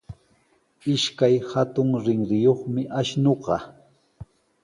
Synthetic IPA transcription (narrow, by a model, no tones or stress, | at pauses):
ɪʃkajhat̪ʊŋɾɪŋɾɪjoχmɪʔaʃnoɢɑ